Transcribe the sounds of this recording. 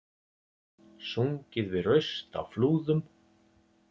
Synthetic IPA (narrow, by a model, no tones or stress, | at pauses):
suŋcɪðvɪðrœɥst̪a̰wfluːðʏm